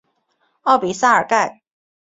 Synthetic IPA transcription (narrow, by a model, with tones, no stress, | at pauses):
ɔ˥˩pi˨˥˦saː˥ə̰˨˩ka˥˩j